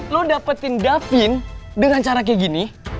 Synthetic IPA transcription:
lodapət̪indafɪndəŋant͡ʃaɾak̬ɛɡini

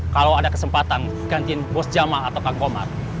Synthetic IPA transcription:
kalawadakəsəmpat̪an | ɡant̪iɪnbɔsd͡ʒamaːt̪awkaŋkoma̰r

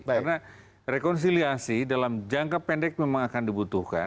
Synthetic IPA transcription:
aɾna | rekɔns̬iliasidalamd͡ʒaŋkapɛndɛk̚memaŋakandibut̪uhka̰

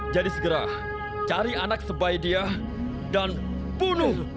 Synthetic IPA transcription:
d͡ʒadisəɡəɾa | t͡ʃaɾianak̚səbajdia | dan | bunʊh

